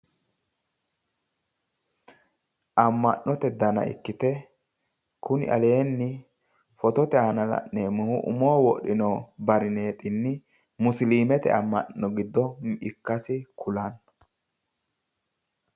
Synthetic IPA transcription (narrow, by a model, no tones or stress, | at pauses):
ʔɐmːɐʔːɔt̪ɛd̪ɐnɐ̰ɪ̰kːɪt̪ɛ | kʊnɪ̰ʔɐ̰leːnːɪ | fɔt̪ɔt̪ɛhanɐlɐ̰ʔneːmʊhʊʔʊ̰mowwɔʔɪnobɐɾɪne̞ːt̪ʼɪnːɪ | mʊsliːmɛt̪ɛ̰ɐmːɐ̰ʔːɔɡɪd̪ːɔɪkːɐsɪkʰʊlɐn